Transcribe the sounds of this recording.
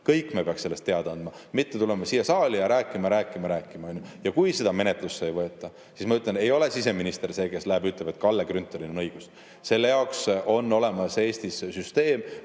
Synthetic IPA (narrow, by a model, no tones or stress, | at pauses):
kɤjkːˑmepeɑkse̞lːest̪ːe̞ɑd̪̥ɑnd̪̥mɑ | mit̪ːet̪ulemɑsiːjːɑsɑːlijɑɾæːkːˑimɑɾæːkːˑimɑɾæːkːˑimɑjnʲːujɑkujse̞d̪̥ɑme̞net̪lusːejvɤet̪ːˑɑ | sismɑyt̪ˑlene̞jo̞le̞sise̞minist̪e̞ɾse̞ːke̞slæɦebyt̪ˑleb̥e̞t̪̚kɑlːeɡrynt̪ːˑolinonɤjɡ̥us | se̞lːejɑoksʔo̞nːo̞le̞mɑse̞ːst̪issyst̪e̞ːm